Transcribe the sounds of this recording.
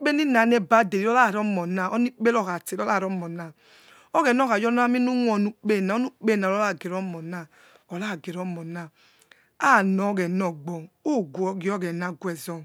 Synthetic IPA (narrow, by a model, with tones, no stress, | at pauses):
k͡pe˦ni˦na˨nɛ˦ba˦de˨ɾi˦ɔ˦la˦˨ɾɔ˦mɔ˨na˨ʔɔ˦ni˦k͡pe˦lɔ˦˨ɣa˨te˨lɔ˦la˦˨ɾɔ˦mɔ˨na˨ | ɔ˦ɣɛ˨n˦ɔ˦ɣa˨jɔ˦n˦a˦mi˦nu˦ŋʷɔ˨nu˦k͡pe˦˨na˨˦ɔ˦nu˦k͡pe˦˨na˨ɔ˦a˦˨ɡe˨ɾɔ˦mɔ˨na˦˨ | ɔ˨la˦˨ɡe˨ɾɔ˦mɔ˨na˦˨ | a˦˨nɔ˨˦ɣɛ˨nɔ˨ɡ͡bɔ˨o˦˨ɡʷɔ˦ɡi˨˦ɔ˦ɡɛ˨na˦ɡwɛ˨zɔ˦˨